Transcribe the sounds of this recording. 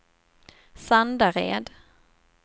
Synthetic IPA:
sand̪aɾḛːd̪

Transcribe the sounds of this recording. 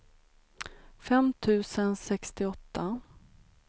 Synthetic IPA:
fɛmt̪ʰʉ̟ːsənsɛkst̪ɪɔt̪ːa

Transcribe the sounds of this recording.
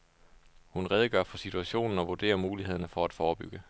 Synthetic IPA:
hunʁɛð̞ˠəɡ̥ɶ̰ɐ̰fɒ̽sit͡sʰuæɕo̝̰ːnn̩ɒ̽ʋod̥e̝̰ːɐmuːliheð̞̰ˠɐnəfɒ̽æd̥fɒːb̥yɡ̥ə

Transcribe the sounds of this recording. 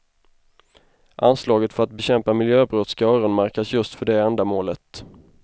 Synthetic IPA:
ʔanslɑːɡət̪fœɾat̪̚bɛɕɛmpamɪljøːbɾɔt̪sɡaœːɾʊnmaɾkasjɵst̪fœɖɛɛnd̪amoːlət̪

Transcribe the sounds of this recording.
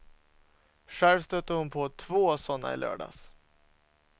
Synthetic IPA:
ɧæɾvst̪œt̪ːəhʊnpʰɔt̪ʰvoːsɔnːa̰ɪ̰lœ̰ːɖa̰ːs

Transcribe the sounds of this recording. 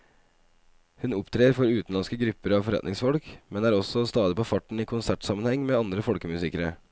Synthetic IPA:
hʉnʊpt̪ʰɾeːɾfɔɾʉːt̪n̩lɑnskəɡɾʉpːəɾɑʋfɔɾɛ̰t̪nɪŋsfɔlkmɛnæːɾɔsɔst̪ɑːd̪ɪpʰoːfɑʈɳ̩iːkʰʊnsæʈsɑmənhɛŋːmeːɑnd̪ɾəfɔlkəmʉsɪkəɾə

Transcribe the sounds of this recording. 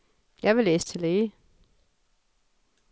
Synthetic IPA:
jɑ̈ɪʋe̝leːsə̥t͡sʰe̝leː

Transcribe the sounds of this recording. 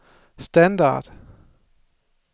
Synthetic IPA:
st̪ænd̪a̰d̥

